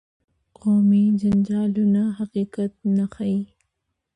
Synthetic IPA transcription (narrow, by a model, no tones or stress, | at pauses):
qʰoːmid͡ʒand͡ʒɑːlunaɦaqiːqat̪̚naxai